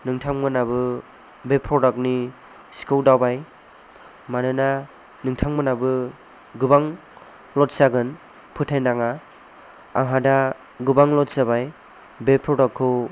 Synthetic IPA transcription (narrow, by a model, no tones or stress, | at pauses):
nɯŋtʰaŋmɯnabɯ | bepʰɾɔdɔk̚ni | si̥kʰɯwdawbaj | manɯna | nɯŋtʰaŋmɯnabɯ | ɡɯbaŋ | lɔt̚saɡɯn | pʰɯtʰajnaŋa̰ː | ŋɦada | ɡubaŋlɔt̚sabaj | bepʰɾɔdɔkʰːɯ